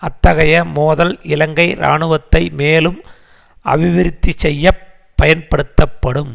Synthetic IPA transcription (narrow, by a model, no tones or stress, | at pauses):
ɐt̪ːɐɣɐjɐmoːðɐlɪlɐŋɡɐɪɾa̰ːɳɯʋɐt̪ːɐɪmeːlɯm | ɐ̰ʋɪʋɪɾɪt̪ːit͡ʃɛjːɐ | pːɐjɐnpɐɽɯt̪ːɐpːɐɽɯm